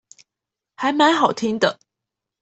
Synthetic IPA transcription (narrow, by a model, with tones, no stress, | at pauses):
ha˨˥jma˨˥nɦɑ˨˩ʊt̪ʰi˥ŋd̪ə˨